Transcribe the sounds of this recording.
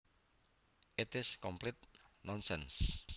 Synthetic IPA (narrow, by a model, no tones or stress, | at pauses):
ʔɪt̪ɪskɔmplit̪̚nɔnsɛns